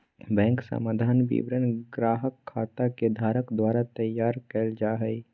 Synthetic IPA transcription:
bɛ̃ːŋksə̰maːd̪ʱaːnbḭbɾənɡɾaːɦəkʰːaːt̪aked̪ʱaːɾəkd̪waːɾat̪əjaːɾkəld͡ʒaːɦəi

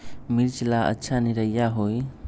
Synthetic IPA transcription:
miɾt͡ʃilaʔa̰t͡ʃʰaniɾajaɦoj

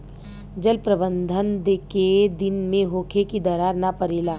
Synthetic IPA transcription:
d͡ʒəlpɾəbə̃nd̪ʱənd̪eked̪ɪnmẽɦoːkʰekid̪əɾaːɾnapəɾiːlaː

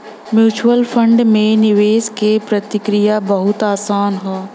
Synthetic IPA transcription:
mjuːt͡ʃuwəlfʰə̃ɳɖmẽnɪʋeːskepɾɐt̪ɪkɾijabɐɦʊt̪aːsaːnɦɛː

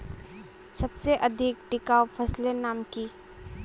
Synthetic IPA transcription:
sɐbseʔɐd̪ʱɪk̚ʈɪkaːopʰɐslenaːmkiː

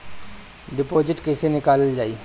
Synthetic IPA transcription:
ɖɪpoːd͡ʒɪʈkɛːsenɪkaːləld͡ʒaːiː

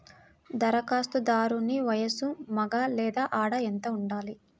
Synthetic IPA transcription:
d̪ɐɾɐkaːst̪ud̪aːɾuniʋɐjɐsumɐɡaːlɛːd̪aːʔaːɽɐent̪ɐuɳɖaːli

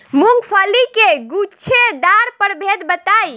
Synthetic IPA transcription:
muŋɡpʰəlikeɡut͡ʃʰed̪aɾpəɾbʱed̪bət̪aj

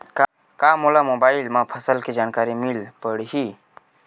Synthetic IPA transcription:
ka | kamolamoːbaːilmãpʰəsəlked͡ʒaːnkaːɾimilpəɽɦi

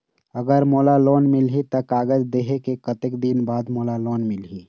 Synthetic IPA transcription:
əɡəɾmoːlaloːnmɪlɦit̪əkaːɡəd͡ʒd̪eːɦekekət̪ɪkd̪inbaːd̪moːlaloːnmɪlɦiː

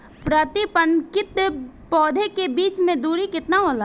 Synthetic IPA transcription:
pɾət̪ɪpənkɪt̪ | pɔːd̪ʱekebiːt͡ʃmẽd̪uːɾikɪt̪naɦoːla

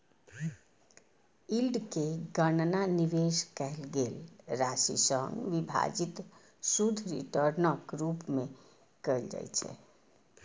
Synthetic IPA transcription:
ilɖkeɡənnaniʋeskɛɦlɡelɾasḭsəŋɡʋibʱa̰d͡ʒit̪ | sud̪ʱɾḭʈəɾnəkɾupme | kəjld͡ʒa̰jt͡ʃʰɛ̰

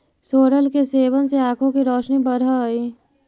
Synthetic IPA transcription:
soːɾəlkeseːʋənseaːkʰõkiɾɔːʃnibəɾaiː

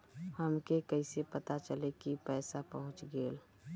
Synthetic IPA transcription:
həmkekəɪsepət̪at͡ʃəlekipɛːsapəɦʊ̃t͡ʃɡeːl

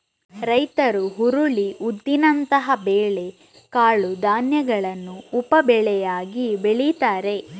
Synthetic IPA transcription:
ɾɐjt̪ɐɾuɦuɾuɭiʔud̪ːinɐnt̪ɐɦɐbeːɭe̞ | kaːɭud̪aːnjɐɡɐɭɐnːuːpɐbɛɭɛjaːɡibeɭit̪aːɾe̞

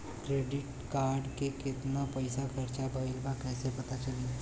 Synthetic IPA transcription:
kɾeːɖɪʈkaːɾɖkekɪt̪napɐɪsakʰɐɾt͡ʃabʱaːɪlbakɛːsepɐt̪at͡ʃɐli

